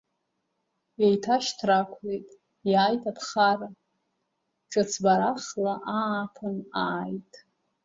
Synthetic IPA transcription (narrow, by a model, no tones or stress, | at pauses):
jejtʰaʃtʰrakʷʰlejtʼ | jaːjtʰʼapʰχara | ʈ͡ʂʷʼɨt͡sʰbaɾaχlaʔapʰɨnaːjtʼ